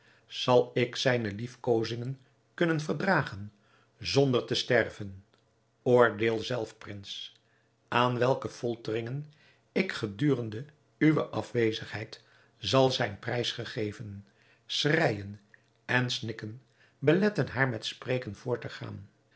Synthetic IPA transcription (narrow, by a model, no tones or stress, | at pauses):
z̥ɑlˠɪksɛjnəlifkowzɪŋən | kɵnənvəɹdraːχən | zɔndəɹtəstɛrvən | oːɹdeːlˠzɛlˠfprɪns | ʔaːnʋɛlˠkəfɔlˠtərɪŋən | ɪkχədyːrəndə | yʋəʔɑfʋejzəχɦɛjt | zɑlˠzɛjnprɛjsχəχejvən | srɛjən | ɛnsnɪkən | bəlɛtənɦaːɹmɛtspreːkənv̥ʊːɹtəχa̰ːn